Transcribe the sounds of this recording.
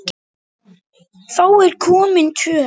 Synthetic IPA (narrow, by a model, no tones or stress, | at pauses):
fowɪlkʰuːmɪntʰy